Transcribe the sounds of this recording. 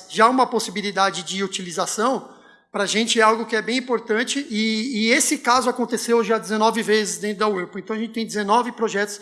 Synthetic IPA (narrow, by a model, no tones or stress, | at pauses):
ʒaũmɐposibilid̪ad͡ʒɪd͡ʒɪut͡ʃilizasɐ̃w̃ | pɾɐʒẽt͡ʃɪɛawɡʊkɪɛbẽj̃ĩpoɾt̪ɐ̃t͡ʃɪʔɪːesɪkazʊakõnt̪esewʒad͡ʒɪzenɔvɪvezɪzd̪ẽnt̪ɾʊd̪ɐuɾpẽt̪ɐ̃w̃ɐʒẽt͡ʃɪt̪ẽj̃d͡ʒɪzenɔvɪpɾoʒɛt̪ʊ̥s